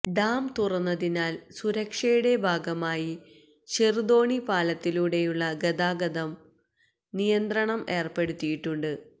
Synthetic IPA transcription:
ɖaːmt̪urɐnːɐðinaːlsuɾɐkʂɐjuɽe̞bʱaːɡɐmaːji | ɕerd̪o̞ːɳipaːlɐt̪ːiluɽe̞juɭːɐɡɐd̪aːɡɐd̪ɐm | nijɐnd̪rɐɳɐme̞ːrpe̞ɽut̪ːijiʈːuɳɖɨ

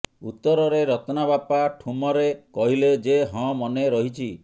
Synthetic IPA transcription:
ut̪ːɔɾɔɾeɾɔt̪nabapaʈʰumɔɾekɔɦiled͡ʒeɦɔ̃mɔneɾɔɦit͡ʃʰi

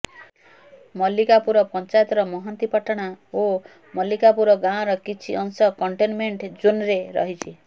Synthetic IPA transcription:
mɔlikapuɾɔpɔnt͡ʃajt̪ɾɔmɔɦɔnt̪ipɔʈɔɽ̃ao | mɔlikapuɾɔɡãɔ̃ɾɔkit͡ʃʰiʔɔŋsɔkɔɳʈenmeɳʈd͡ʒunɾeɾɔ̰ɦit͡ʃʰi

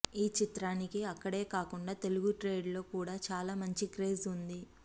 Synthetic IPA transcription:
iːt͡ʃit̪ɾaːnikiɐkːɐɽe̞ːkaːkuɳɖaːt̪e̞luɡuʈɾe̞ːɖlo̞ːkuːɽaːt͡ʃaːlaːmɐɲt͡ʃikɾeːzund̪i

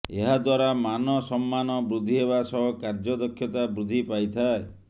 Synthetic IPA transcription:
eɦad̪waɾamanɔsɔmːanɔbɾud̪ʱːiɦeβasɔɦɔkaɾd͡ʒɔd̪ɔkʰjɔt̪abɾud̪ʱipajt̪ʰae

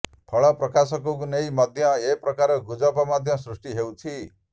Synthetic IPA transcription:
pʰʌɭʌprʌkasʌkoɡunejmʌd̪ʱjʌeprʌkaɾʌɡud͡zʌbɔmʌd̪ʱjʌ̃srusʈiɦewt͡sʰi

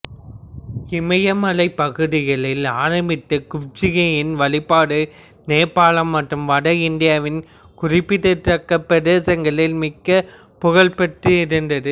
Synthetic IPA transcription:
ɪmɐjɐmɐlɐɪpːɐɣɯðɪɣɐɭɪlaːɾɐmbɪt̪ːɯkʊp̚t͡ʃɪɣɐjɪnʋɐɭɪpːaːɽɯ | neːpːaːɭɐmːɐʈrɯmʋɐɽɐɪnd̪ɪjaːʋɪn | kʊrɪpːɪt̪ːɯtɾɐkːɐpːɛðeːsɐŋɡɐɭɪlmɪkːɐ | pʊɣɐɭpɛʈrɯɪɾɯnd̪ɐðɯ

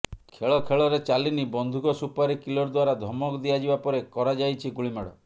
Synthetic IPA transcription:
kʰeɭɔkʰeɭɔɾet͡ʃalinibɔnd̪ʱukɔsupaɾikilɔɾd̪waɾad̪ʱɔmɔkd̪iad͡ʒibapɔɾekɔɾad͡ʒajt͡ʃʰiɡuɭimaɽɔ

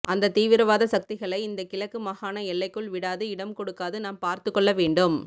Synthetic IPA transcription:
ʔɐnd̪ɐt̪iːʋɪɾɐʋaːðɐsɐk̚t̪ɪɣɐɭɐɪɪnd̪ɐkɪlɐkːɯmɐɣaːnɐɛɭːɐɪkːɯɭʋɪɽaːðɯɪɽɐmkɔɽɯkːaːðɯnaːmpaːɾt̪ɯkːɔɭːɐʋeːɳɖɯm

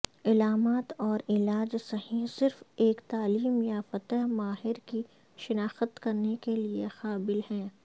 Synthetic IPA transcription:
ɪlaːmaːt̪ɔːɾɪlaːd͡ʒsɐɦĩsɪɾfeːkt̪aːliːmjafɐt̪əɦmaːɦɪɾki | ʃɪnaːxət̪kɐɾnekeliexaːbɪlhɛ̃ː

